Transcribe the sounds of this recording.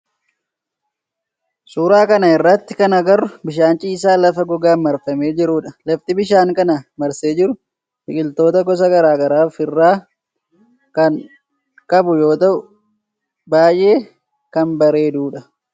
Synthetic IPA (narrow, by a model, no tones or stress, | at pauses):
suːɾaːkɐnɐɪrːɐt̪ːɪkɐnɐɡɐɾʊbɪʃaːnt͡ʃʼiːs̬aːlɐfɐɡɔɡaːmɐɾfɐme̞ːd͡ʒɪɾʊᶑɐlɐft̪ɪbɪʃaːŋkɐnɐmɐɾseːd͡ʒɪɾʊ | hɪkʼɪlt̪o̞ːt̪ɐɡɔs̬ɐɡɐɾaːɡɐɾaːfɪrːaː | kɐn | kʼɐbʊjo̞ːt̪ɐʔʊ | baːjʔe̞ː | kɐmbɐɾe̞ːd̪uːᶑɐ